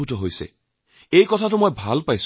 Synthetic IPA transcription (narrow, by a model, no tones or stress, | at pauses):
utɔɦojsɛ̰ | ejkɔtʰatʊmojbʱalpajs